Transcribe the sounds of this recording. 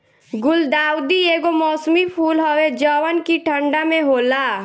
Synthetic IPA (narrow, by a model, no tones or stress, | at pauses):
ɡʊld̪aːwd̪ieɡomɔːsmipʰuːlɦəwed͡ʒəwənkiʈʰəɳɖamẽɦoːla